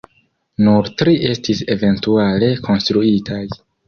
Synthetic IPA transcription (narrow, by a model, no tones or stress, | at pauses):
nuɾtɾiʔe̞stise̞ve̞ntuale̞kʰo̞nst̪ɾuitʰaj